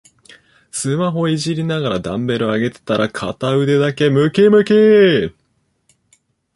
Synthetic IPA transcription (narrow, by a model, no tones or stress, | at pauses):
sɨmaɦo̞iʑiɾʲinaɡaɾad̪ãmbe̞ɾoaɡe̞t̪e̞̥t̪aɾʔakʰat̪aɯ̟d̪e̞d̪ake̞mɯ̟kemɯ̟ke